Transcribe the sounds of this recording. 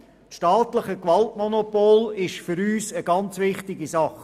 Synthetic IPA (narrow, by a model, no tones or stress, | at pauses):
ʃtɑːtləχəkvɑltmonopoːlɪʃfʏɾyːsəɡ̥ɑnt͡sʋɪχtɪɡisɑχ